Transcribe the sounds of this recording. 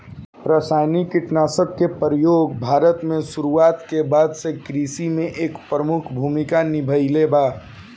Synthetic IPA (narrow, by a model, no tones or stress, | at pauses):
pɾəsaːjnikiʈnaːsək̚kepəɾjoːɡbʱaːɾət̪mẽsuɾuaːt̪kebaːd̪sekɾisimẽʔeːkpɾəmʊkʰbʱumikanɪbʱəjlebaː